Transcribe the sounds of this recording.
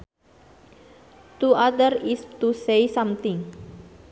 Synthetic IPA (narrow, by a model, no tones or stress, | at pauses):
t̪uad̪ərist̪usejsamt̪ɪ̃ŋ